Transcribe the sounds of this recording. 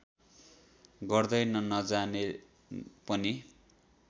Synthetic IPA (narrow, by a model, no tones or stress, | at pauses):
ɡʌrd̪ʌjnʌnʌd͡zane | pʌni